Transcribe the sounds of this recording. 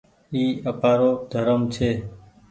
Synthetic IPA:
iːəpaːɾod̪ʱəɾəmt͡ʃʰe

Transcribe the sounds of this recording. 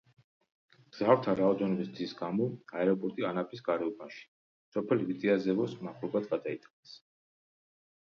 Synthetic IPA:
ɡz̥avɾt̪ʰaɾaɔd̪ɛnɔbisd̪zisɡamɔaɛɾɔpʼɔɾt̪ʼianapʰʼisɡaɾɛɔbaʃi̥ | sɔpʰɛlvid̪ʼiazɛvɔsmaχlɔbad̪ɡad̪ait̪ʼqʼɛs

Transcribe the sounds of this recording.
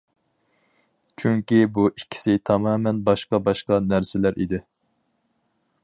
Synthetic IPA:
t͡ʃʰyŋkʲibuʔikʲʰːi̥sɪt̪ʰɑmɑːmɛnbɑʃqɑbɑʃqɑnæɾsɪlæɾʔḭd̪ɪ

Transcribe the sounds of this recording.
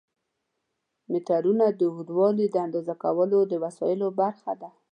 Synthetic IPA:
mɪt̪aɾunad̪əɦud̪wɑlid̪əand̪ɑzakawəlod̪əwasɑjɪlobaɾxad̪a

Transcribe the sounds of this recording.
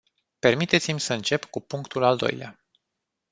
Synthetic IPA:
pe̞rmit̪e̞t̪simʲsəɨnt͡ʃe̞pkupuŋkt̪ulald̪o̞̰jlea

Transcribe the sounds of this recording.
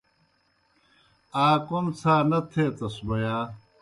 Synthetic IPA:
aːkomt͡sʰaːnɐt̪ʰeːt̪ɐsbɐjaː

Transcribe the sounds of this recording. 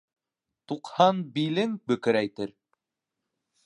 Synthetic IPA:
t̪uqhɑnbilɘŋbɵ̆kɘ̆ɾæjt̪ɘɾ

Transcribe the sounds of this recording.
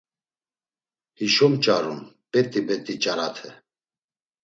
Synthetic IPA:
hiʃɔmt͡ʃʼaɾum | pʼɛt̪ʼibɛt̪ʼit͡ʃʼaɾat̪ʰɛ

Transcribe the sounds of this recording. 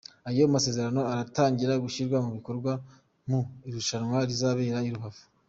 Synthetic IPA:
aijomase̞ːze̞ɾano̞aɾataːɲɟiɾaɡuʃiɾɡwamuβiko̞ɾɡwa | muiɾuʃanwaɾizaβe̞ːɾaiɾuβavu̥

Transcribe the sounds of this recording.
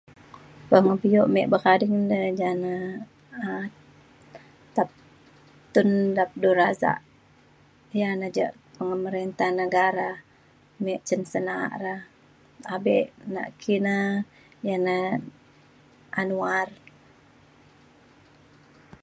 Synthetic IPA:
pəŋəbijoʔmɛʔbəkadiŋdəd͡ʒana | a | t̪ap̚ | t̪undap̚duɾaza̰ʔ | janad͡ʒa̰ʔ | pəŋəməɾint̪ahnəɡaɾa | mɛʔt͡ʃənsənaa̰ʔɾah | abɛʔna̰ʔkʰina | jana | ʔanuar

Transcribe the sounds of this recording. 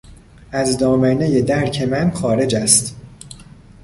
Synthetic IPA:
æzd̪ɒːmæne̞je̞d̪æɾcʰe̞mænxɒːɾe̞d͡ʒæst̪

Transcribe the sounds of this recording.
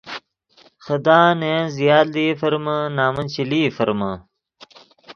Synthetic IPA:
xɐd̪aːneɐ̃nzijaːld̪ifɐɾmɐnaːmɐnt͡ɕiliːfɐɾmɐ

